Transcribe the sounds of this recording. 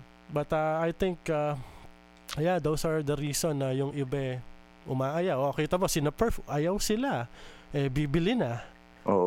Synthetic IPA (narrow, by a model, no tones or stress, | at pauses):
bɐt̪ɐːjt̪ɪŋkɐ | ɐjad̪owsɐɹd̪ɐɾiːsonːɐjʊŋʔɪbɛ | ʔʊmaːʔɐjawʔokɛjt̪ɐbosɪnɐpɛɹfʔɐjawsɪlaʔɛbibɪlɪnɐ | ʔoːʔ